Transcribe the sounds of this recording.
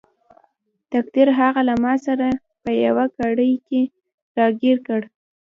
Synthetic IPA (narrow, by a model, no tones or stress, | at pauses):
t̪akt̪iɾɦaɣalamɑsaɾa | pəjawakaɽəjke | ɾɑɡiɾkəɽ